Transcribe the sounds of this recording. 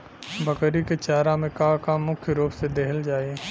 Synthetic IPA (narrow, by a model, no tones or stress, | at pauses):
bɐkəɾiket͡ʃaːɾamẽkãːkamːʊkʰjəɾoːpsed̪eɦəld͡ʒaːe